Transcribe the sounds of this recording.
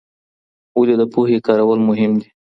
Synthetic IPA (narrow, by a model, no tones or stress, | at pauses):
uled̪əpuɦekɑɾawəlmʊɦɪmd̪i